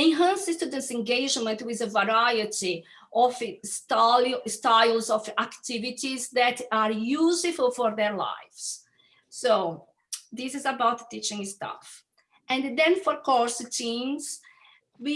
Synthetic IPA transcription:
ɛ̃nɦɛ̃nsɪst̪ud̪ɪsɛ̃ŋɡeɪd͡ʒmə̃ntwiðəvaɾajəti | ʔɔvstastaɪlˠzɔfakt̪ivitizd̪ɛt̪aɾjuzɪfəlˠfɔɾðɛɾla̰ɪfs | so | d̪isɪzabawt̪tit͡ʃɪ̃ŋst̪a̰f | ɛ̃nd̪ɛ̃nfɔɾkɔɾstʰĩmz | wi

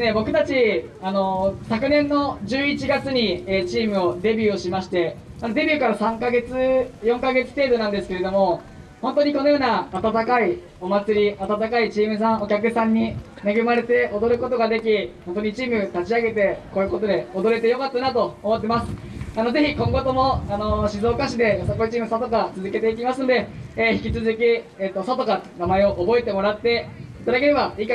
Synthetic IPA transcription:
ne̞bo̞kɯ̟t̪at͡ɕiano̞sakɯ̟nẽ̞nːo̞d͡ʑɨːit͡ɕiɡat͡sɨɲ̟ieːt͡ɕiːmɯ̟o̞d̪e̞bʲɨːo̞ɕimaɕi̥t̪e̞anod̪e̞bʲɯ̟kaɾasãŋkaɡe̞t͡sɨjõ̞ŋkaɡe̞t͡sɨ̥t̪e̞ːd̪o̞nãnd̪esɨ̥ke̞ɾe̞d̪o̞mo̞ | hõ̞nt̪o̞ɲ̟ikono̞jo̞ːnaːt̪at̪akai | o̞mat͡sɨɾʲiʔat̪at̪akait͡ɕiːmɯ̟s̬ãɰ̃o̞kʲakɯ̟sãɲ̟ːi | neɡɯ̟maɾe̞t̪e̞ʔo̞d̪o̞ɾɯ̟ko̞t̪o̞ɡad̪e̞kʲihõnt̪oɲ̟it͡ɕiːmɯ̟t̪at͡ɕiaɡe̞t̪e̞koːjɯ̟ko̞t̪o̞d̪e̞od̪o̞ɾe̞t̪ejo̞kat̪ːanat̪o̞ːmo̞t̪ːe̞masɨ̥ | ano̞ze̞çikõŋɡo̞t̪o̞mo̞ano̞ɕizo̞ːkaɕid̪e̞osakoi̟t͡ɕiːmɯ̟sat̪o̞kat͡sɨzɨke̞t̪e̞ik̬ʲimasɨno̞d̪e̞çi̥kʲit͡sɨzɨkʲieːt̪ːo̞sat̪o̞kanamae̞o̞ʔobo̞et̪e̞mo̞ɾat̪ːe̞it̪ad̪ake̞ɾe̞baika

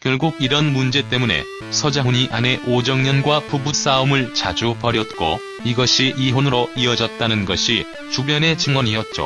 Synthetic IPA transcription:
kjʌɭɡuɡiɾʌnmund͡ʑe̞t̬͈e̞mune̞̰ | sʰʌd͡ʑauɲiʔane̞ʔod͡ʑʌŋɲʌnɡwapubus͈aomɯɭt͡ɕad͡ʑupʌɾjʌt̚k͈o̰ | iɡʌɕʰiʔiɦonɯɾoiʌd͡ʑʌt̚t͈anɯnɡʌɕʰi | t͡ɕubjʌne̞t͡ɕɯŋwʌɲiɦʌt̚t͡ɕ͈o̰

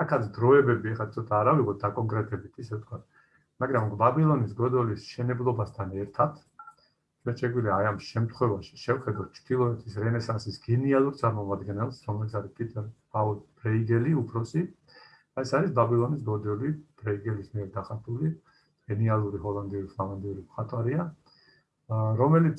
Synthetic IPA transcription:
akʰat̪sʰd̪ɾɔɛbɛbiɛχat̪sʰɔt̪ʼaːɾaviʁɔt̪̚d̪akʼɔŋkʼɾɛt̪ʼɛbit̪ʰisɛvt̪ʰkʰwat̪̚ʰ | maɡɾambabilˠɔnisɡɔd̪ɛlisʃɛnɛblˠɔbast̪ʰanɛɾt̪ʰat̪ʰ | t͡ʃʰwɛnʃɛɡwiliaːjamʃɛmt̪ʰχwɛvaʃi̥ʃɛvχɛd̪at̪̚ʰt͡ʃʰd̪̥ilˠɔɛt̪ʰisɾɛnɛsansisɡ̥ɛnialˠuɾt̪sʼaɾmɔmad̪ɡɛnɛlˠsɾɔmɛlit̪sʰaɾispʼit̪ʼɛɾ | aɔlbɾɛiɡɛliupʰɾɔsi | d̪̥aɛsaɾisbabilˠɔnis̬ɡɔd̪ɛlib̥ɾɛiɡɛlismiɛɾd̪aχat̪ʰʼuli | ɡ̥ɛnialˠuɾiɦɔlˠand̪iuɾipʰlˠavand̪iuɾimχat̪ʼwaɾia | ɾɔmɛlit̪s

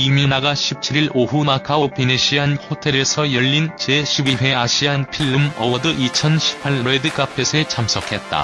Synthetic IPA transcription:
imjonaɡaɕʰip̚t͡ɕʰiɾiɾoɦumakʰaopineɕʰiankʰotʰe̞ɾe̞sʰʌjʌʎːint͡ɕe̞ɕʰibiwe̞aɕʰianpʰiɭːɯmʌwʌdɯʔit͡ɕʰʌnɕʰi̥ppʰaɭːedɯk͈apʰe̞sʰet͡ɕʰams͈ʰʌkʰe̞t̚t͈a̰

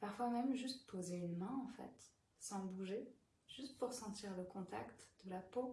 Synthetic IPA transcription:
paʁfwamɛmʒyst̪̚pʰozeynmɛ̃ɑ̃fɛ̰t̪ | sɑ̃buʒe | ʒ̥yst̪puʁsɑ̃t̪iʁləkɔ̃t̪a̰kt̪d̪̥əlapo

